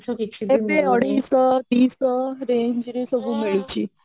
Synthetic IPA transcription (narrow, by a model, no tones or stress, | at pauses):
epeəɽiːsd̪iːsɾeɲd͡ʒɾesəbʱuːmeɭit͡ɕi